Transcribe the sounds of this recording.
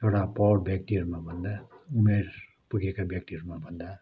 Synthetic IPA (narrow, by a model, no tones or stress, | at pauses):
t̪ʰewɽapɔwʈbjakʈiɾmabʱʌnd̪aumeɾ | puɡekabʱjak̚ʈiɾmabʱʌnd̪a